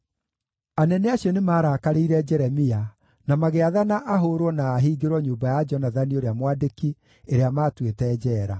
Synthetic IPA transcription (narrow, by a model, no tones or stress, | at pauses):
anɛnɛaɕjɔnemaːɾakaɾeiɾɛd͡ʒɛɾɛmia | namaɣeaðanaʔaɦoɾwɔnaːɦiːɡeɾwɔɲuːbajad͡ʒɔnaðanioɾeamwadeki | eɾeamaːtwetɛːd͡ʑɛːɾa